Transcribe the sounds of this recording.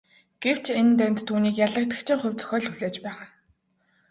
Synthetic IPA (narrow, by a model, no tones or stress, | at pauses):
ɡ̥ew̥t͡ɕʰent̪ænʲt̪tʰːuːniːkjaɮə̆k̚t̪ə̆kt͡ɕʰĭŋχʊwʲt͡sœ̥xʲœːɮxuɮeːt͡ɕpæːʁaː